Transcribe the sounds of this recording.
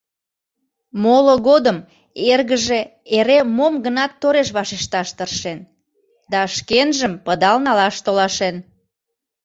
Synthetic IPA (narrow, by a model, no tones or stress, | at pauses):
moloɣod̪əm | erɣəʒe | eɾemomɡənɑt̪ːoɾeʃ̬βɑʃeʃt̪ɑʃt̪ərʃen | d̪ɑʃkenʒəmpəd̪ɑlnɑlɑʃt̪olɑʃen